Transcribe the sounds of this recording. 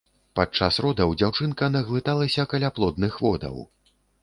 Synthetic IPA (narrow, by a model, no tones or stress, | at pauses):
pat͡ʂːasrɔd̪ɐwd͡zʲawt͡ʂɨnkɐnɐɣlˠɨt̪alˠɐsʲɐkalʲaplˠɔd̪̚nɨxvɔd̪ɐ̰w